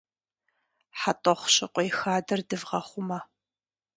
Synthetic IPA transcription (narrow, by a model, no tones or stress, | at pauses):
ħatʼɔχʷɕɪqʷʼɔjxaːdɐrdɨvʁɐχʷʊmɐ